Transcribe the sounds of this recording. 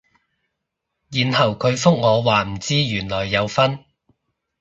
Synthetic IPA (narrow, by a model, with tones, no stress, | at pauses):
jiː˨nɦɐ˨˩wkʰɵ˨˧ɥfʊ˥k̚ŋɔː˨˧waː˨m̩˨˩t͡siː˥jyː˨˩nlɔː˨˩jːɐ˨˧wfɐ˥n